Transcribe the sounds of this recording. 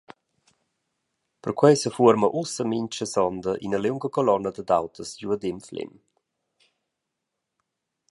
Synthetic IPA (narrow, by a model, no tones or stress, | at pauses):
pərkwɛjsəfuəɾməʔusəmiɲt͡ʃəsɔnd̪əʔḭnəlewŋɡəkɔlɔnːəd̪əd̪awt̪ʰəsɟuəd̪ɪmflɪ̰m